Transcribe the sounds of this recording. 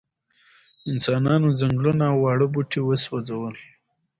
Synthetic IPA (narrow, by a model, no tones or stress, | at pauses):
ɪnsɑnɑnozaŋɡlunaːwːɑɽəbuʈʰiwəswazawəl